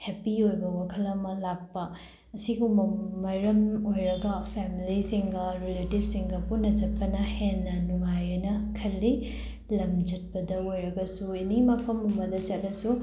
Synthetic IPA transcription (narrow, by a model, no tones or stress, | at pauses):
hepiojbɐwakʰɐlɐmɐlak̚pɐ | ɐsiɡumɐmɐɾɐmojɾɐɡɐpʰemilisiŋɡɐɾiletibsiŋɡɐpunːɐd͡ʒɐt̚pɐnɐhenːɐnuŋajɐnɐkʰɐlːi | lɐmd͡ʒɐt̚pɐdɐojɾɐɡɐsuinimɐpʰɐmumɐdɐt͡ʃɐt̚ːɐsu